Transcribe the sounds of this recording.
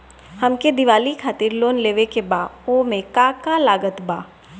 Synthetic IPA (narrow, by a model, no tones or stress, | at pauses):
hɐmked̪ɪʋaːlikʰaːt̪iːɾloːnleːʋekebaːoːmẽkaːkalaːɡət̪baː